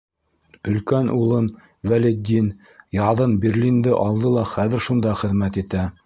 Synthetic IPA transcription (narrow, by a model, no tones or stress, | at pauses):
ɵ̆lkænʔulˠɤm | vælʲed̪ʲin | jɑðɤnberlʲind̪ɘʔɑlˠd̪ɤlˠɑχæðɘ̆ɾʃund̪ɑχɘ̆ðmæt̪it̪æ